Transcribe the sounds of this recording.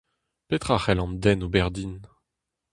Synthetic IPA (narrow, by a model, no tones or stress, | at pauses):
pet̪χaχɛlɑ̃md̪ɛnobɛʁd̪in